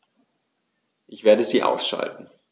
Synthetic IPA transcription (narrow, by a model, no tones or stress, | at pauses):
ʔɪçv̥eːɐdəziːʔa̰ʊsʃa̰ltn̩